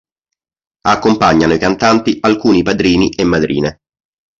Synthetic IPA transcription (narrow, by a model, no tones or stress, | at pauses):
akːompaɲːanoikant̪ant̪ialkuːnipad̪ɾiːniʔemːad̪ɾʔḭːne